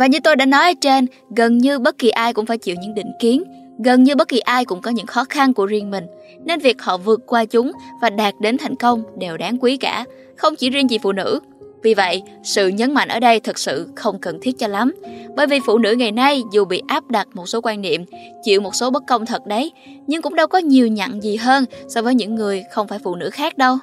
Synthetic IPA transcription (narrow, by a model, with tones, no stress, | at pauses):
vaː˨˩ɲɨ˧t̪o˧jɗaː˧˥nɔ˨˦jʔəː˧˩t͡ɕe˧n | ɣə˨˩nɲɨ˧ɓə˦˥t̚ki˨˩ʔaː˧jkʊ̰˧˥ŋ͡mfaː˧˩jt͡ɕḭ˧˨wɲɨ̰˧˥ŋɗḭ̈˧˨ŋ̟ki˨˦ən | ɣə˨˩nɲɨ˧ɓə˦˥t̚ki˨˩ʔaː˧jkʊ̰˧˥ŋ͡mkɔ˨˦ɲɨ̰˧˥ŋxɔ˨˦xa˧nku˧˩əzi˧əŋmï˨˩ŋ̟ | ne˧nvi˨˩ək̚hɔ̰˧˨vɨ˨˩ət̚kwaː˧t͡ɕʊ˨˦ŋ͡mvaː˨˩ɗaː˨˩t̚ɗe˨˦nt̪ʰa˨˩jŋ̟kə˧wŋ͡mɗe˨˩wɗaː˨˦ŋkwi˨˦kaː˧˩ | xə˧wŋ͡mt͡ɕi˧˩zi˧əŋt͡ɕi˨˩fṵ˧˨nɨ̰˧˥ | vi˨˩və̰˧˨jʔ | sɨ̰˧˨ɲə˨˦nma̰˧˨jŋʔəː˧˩ɗə˧jt̪ʰɨ˨˩k̚sɨ̰˧˨xə˧wŋ͡mkə˨˩nt̪ʰi˦˥ət̚t͡ɕɔ˧la˨˦mɓə̰ː˧˩jvi˨˩fṵ˧˨nɨ̰˧˥ŋa˨˩jna˧jzu˨˩ɓḭ˧˨ʔaː˦˥p̚ɗa˨˩t̚mo˨˩t̚so˨˦kwaː˧nnḭ˧˨əmt͡ɕḭ˧˨əwmo˨˩t̚so˨˦ɓə˦˥t̚kə˧wŋ͡mt̪ʰə˨˩t̚ɗə˨˦j | ɲɨ˧ŋkʊ̰˧˥ŋ͡mɗə˧wkɔ˨˦ɲi˨˩əwɲa̰˧˨ŋzi˨˩ɦəː˧nsɔː˧vəː˨˦jɲɨ̰˧˥ŋːɨ˨˩əjxə˧wŋ͡mfaː˧˩jfṵ˧˨nɨ̰˧˥xaː˦˥k̚ɗə˧w